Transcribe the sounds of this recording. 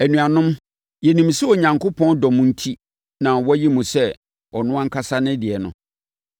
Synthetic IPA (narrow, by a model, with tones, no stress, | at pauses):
æ˨nũ˨a˨nʊ̃˦m | jɛ˨nĩ˨msɛ˦ɔ˨ɲã˨ŋkʰʊ˦pʰɔ̃˦ndɔ˨mʊ̃˦n̩˦tʰi˦ | nã˨wɔ˦æ˦ji˦mũ˨sɛ˦ | ɔ˨nʊ̃˦ã˦ŋ̩˦kʰa˦sa˦nɪ̃˦dɪ˨ɛ˨nʊ̰̃˨